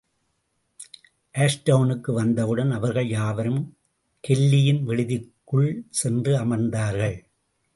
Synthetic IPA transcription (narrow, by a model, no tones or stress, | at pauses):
ʔeːʂʈɐʊnɯkːɯʋɐnd̪ɐʋɯɽɐnɐʋɐɾɣɐɭjaːʋɐɾɯm | kɛlːɪjɪnʋɛɻɯðɪkːɯɭsɛndrɯɐmɐnd̪aːɾɣɐɭ